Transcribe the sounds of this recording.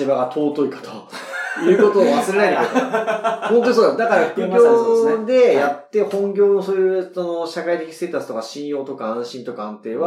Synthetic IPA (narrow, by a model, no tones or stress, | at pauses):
ibaɡat̪ʰo̞ːt̪o̞ikḁt̪o̥ | jɯ̟ːko̞t̪oːβasɨɾe̞nainokat̪ | hont̪o̞ɲisoːd̪ad̪akaɾaɸɯ̥kɯ̟ɡʲo̞ːd̪e̞jat̪ːe̞hõ̞ŋɡʲo̞ːno̞soːjɯɯsono̞ɕakait̪e̞ki̥seːt̪at͡sɨ̥t̪o̞kaɕĩɰ̃jo̞ːt̪o̞kaãɕĩnt̪o̞kaãnt̪e̞ːβa